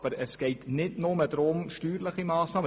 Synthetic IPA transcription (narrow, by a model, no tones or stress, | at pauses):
bəɾəsɡ̥ɛɪtnɪdnoməd̪ɾoːmʃtyːɾləχimɑːsnɑːm